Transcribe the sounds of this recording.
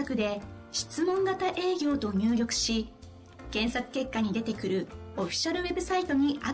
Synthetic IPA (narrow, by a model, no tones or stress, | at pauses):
akɯ̟d̪e̞ | ɕi̥t͡sɨmõ̞ŋɡat̪aʔe̞ːɡʲo̞ːt̪o̞ɲ̟ɨːɾʲo̞kɯ̟̥ɕi | kẽ̞ɰ̃sakɯ̟̥ke̞kːaɲ̟id̪e̞t̪e̞kɯ̟ɾɯ̟o̞ɸʲi̥ɕaɾɯ̟βe̞bɯ̟sait̪o̞ɲ̟iʔa